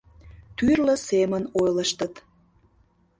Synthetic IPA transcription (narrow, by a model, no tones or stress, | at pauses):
t̪yrlə̆semənojləʃt̪ət̪